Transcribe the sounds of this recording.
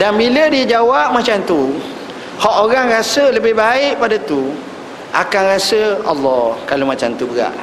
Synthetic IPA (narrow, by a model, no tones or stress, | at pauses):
danbilədid͡ʒawap̚mãt͡ʃamt̪u | hɔʔoɾaŋrasələbɪhbaɪʔpadat̪u | ʔa̰kanrasəɑlːɔhkalomat͡ʃamt̪ubəɣa̰ʔ